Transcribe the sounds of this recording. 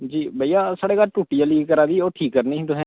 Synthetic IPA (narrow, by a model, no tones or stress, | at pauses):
d͡ʒiːbəijaːsaːɽeːkaːlʈuːʈijaːliːɡkəɾaːd̪iːoːʈʰiːkːəɾnĩːd̪oɦɛ̃ː